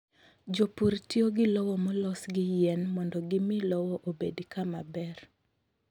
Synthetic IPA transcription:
d͡ʒopuɾtjoɡɪlɔwɔmɔlɔsɡɪjɛnmɔndɔɡɪmɪlɔwɔʔobedikamabɛr

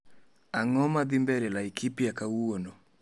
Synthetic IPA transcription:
aŋɔmaðimbɛɾɛlaikipijakawonɔ

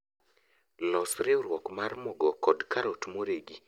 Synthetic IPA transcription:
lɔsɾɪoɾwɔkmarmɔɡɔkɔdkaɾotmoɾeɡi

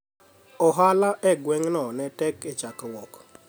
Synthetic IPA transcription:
ɔɦalaʔɛɡwɛŋnɔnɛtɛket͡ʃakwɔk

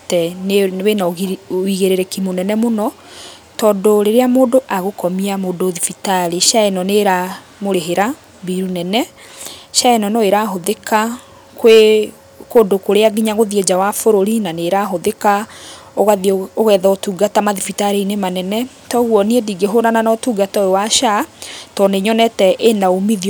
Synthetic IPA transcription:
tɛnewenaoɣiɣeɾeɾɛkimonɛnɛmonɔ | tɔːdoɾeɾeamoːdoʔaɣokɔmiamoːndoðifitaɾeʃaɛnɔneɾa | moɾeɦeɾa | biɾunɛnɛ | ʃaɛnɔnɔeɾaɦoðeka | kwe | kodokoɾeaɡiɲaɣoðied͡ʑawafoɾoɾinaneɾaɦoðekaoɣaðioɣɛːðɔotuːɡatamaðifitaɾeinemanɛnɛ | tɔɣuwɔniediɡeɦoɾananɔtuːɡatɔewaʃatɔneɲɔnɛtɛʔenaomiði

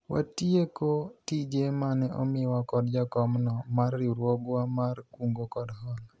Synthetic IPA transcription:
wʔa̰tiekotid͡ʒemanɛʔɔ̰mɪwakɔdd͡ʒakɔmnɔmarːiɾwoɡwamarkuŋɡokɔdhɔl

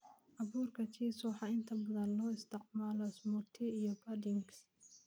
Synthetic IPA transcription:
ʔɐβuːrkʰɐt͡ʃʰiːsuːħɑɪnt̪ʰɐbɐðɐnlɔːɪst̪ʰɪqmaːlɔɪsmʊt̪ʰɛijɔbɐdɪŋɡs

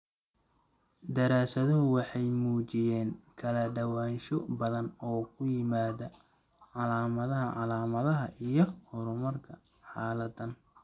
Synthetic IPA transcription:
d̪ɐɾaːsɐðɔɦʊwɑħɑjmuːt͡ʃɪjɛːŋkʰɐlɐɖɐwaːnʃɔbɐðɐnɔːkʰʊjɪmaːðɐ | ʕɑlaːmɐðɐɦɐʕɑlaːmɐðɐɦɐʔijɞhʊɾʊmɐrkʰɐ | ħɑːlɐd̪ɐn

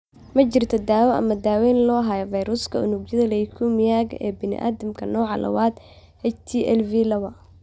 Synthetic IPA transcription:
mɐt͡ʃɪrt̪ʰɔd̪aːwɔʔɐ̰mɐd̪aːwɛːnlɔːɦɐjɔvɐjɾʊskʰɐʊnʊɡjɐðɐlɛjkʰumɪjaːɡɛ̰ːbɪnɪ̰ʔa̰ːðɐmkʰɐnɔːʕɑlʔɐ̰waːd̪ | hɛt͡ʃt̪ʰiʔɛlvilɐwɐ

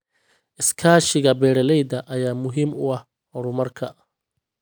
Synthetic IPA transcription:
ʔɪskʰaːʃɪɣɐbɛːɾɐlɛjd̪ɐʔɐjaːmʊɦiːmʊɐh | hɔɾʊmɐrkʰɐ

